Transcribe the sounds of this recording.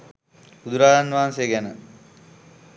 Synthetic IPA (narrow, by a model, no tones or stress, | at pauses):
ud̪uɾaːjanʋaɦansejːɡænə